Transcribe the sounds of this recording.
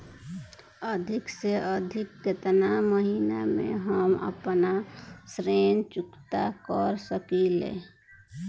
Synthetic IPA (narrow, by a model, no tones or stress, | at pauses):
əd̪ʱɪkseʔəd̪ʱɪkːet̪naməɦiːnamḛ̃ɦəmə̰pnasɾeːnt͡ʃʊkt̪akəɾsəkilḛː